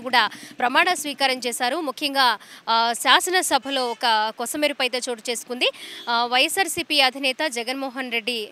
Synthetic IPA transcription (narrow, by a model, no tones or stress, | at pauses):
kuːɽaːpɾɐmaːɽɐsʋiːkaːɾɐmt͡ʃɛːsaːɾumukʰjɐŋɡaːʃaːsɐnɐsɐbʱɐlo̞ːɔkɐkɔsɐmeːɾupɐjt̪ɐːt͡ʃo̞ːʈut͡ʃe̞ːsu̥kund̪iʋɐjɐsaːɾsiːpiɐd̪ʱinɛːt̪ɐd͡ʒɛɡɐnmɔːɦɐnɾeɖːi